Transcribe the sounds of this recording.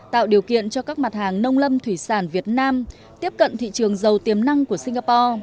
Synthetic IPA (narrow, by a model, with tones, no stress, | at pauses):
t̪a̰ː˧˨wɗi˨˩əwkḭ˧˨ənt͡ɕɔ˧kaː˦˥k̚ma˨˩t̚haː˨˩ŋnə˧wŋ͡mlə˧mt̪ʰwi˧˩saː˧˩nvi˨˩ət̚naː˧m | t̪i˦˥əp̚kə̰˧˨nt̪ʰḭ˧˨t͡ɕɨ˨˩əŋzə˨˩wt̪i˨˩əmna˧ŋku˧˩əsi˧ŋ̟aː˧pɔ˧